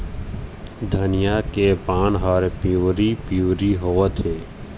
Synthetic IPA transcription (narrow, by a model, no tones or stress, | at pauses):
d̪ʱənɪjakepãːnɦɔɾepiwɾipuːɾiɦoət̪ʰeː